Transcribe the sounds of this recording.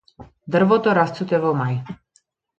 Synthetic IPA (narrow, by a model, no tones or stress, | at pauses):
d̪r̩vɔt̪ɔɾast̪t͡sut̪ɛvɔmaj